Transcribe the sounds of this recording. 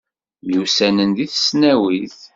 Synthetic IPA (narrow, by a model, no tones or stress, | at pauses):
musænənðiθə̥snæwiθ